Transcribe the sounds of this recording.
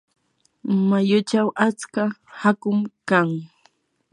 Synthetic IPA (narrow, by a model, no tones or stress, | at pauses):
majʊt͡ʃawʔat͡skahakʊmkaŋ